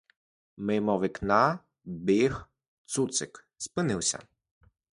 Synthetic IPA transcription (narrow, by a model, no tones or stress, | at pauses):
mɪmɔʋɪknɑ | bɪx | t̪sut̪sɪk | spɪnɪwsʲɐ̰